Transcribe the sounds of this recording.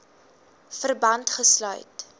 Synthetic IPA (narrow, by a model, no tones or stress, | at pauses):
fərbɐntχəslœ̰ɥt